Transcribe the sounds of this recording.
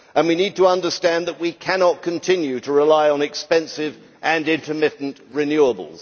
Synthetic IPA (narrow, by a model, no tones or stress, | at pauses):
ʔə̃nwinid̚tʰəʌ̃ndə˞stæ̃nðəʔ̚wikʰænɑt̚kʰɨ̃ntʰɪ̃njʉɾəɹɪlaɪə̃nɨkspɛ̃nsɪv | ʔɨ̃nɪ̃ntʰəmɪʔn̩ʔɹɪnjʉəbə̰l̩ˠz̥